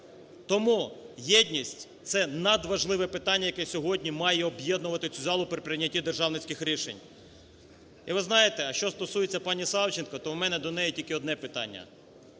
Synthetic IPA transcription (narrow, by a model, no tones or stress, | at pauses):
t̪ɔmujɛdʲnʲisʲtʲt̪sɛnɐd̪ʋɐʒlˠɪʋɛpɪt̪ɑnʲːɐjɐkɛsʲɔɦɔdʲnʲimɑjɛɔbjed̪nʊʋɐt̪ɪt͡sʲuzɑlˠʊpɾɪpɾʲɪnʲːɐtʲid̪erʒɑwnɪt͡sʲkɪxɾʲiʃḛnʲ | iʋɪznɑjet̪ɛɐʃt͡ʃɔst̪ɔsujet͡sʲːɐpɑnʲisɑwt͡ʃɪnkɔt̪ɔwmɛnɛd̪ɔnɛjɛtʲilʲkɪɔd̪nɛpɪt̪ɑ̰nʲːɐ̰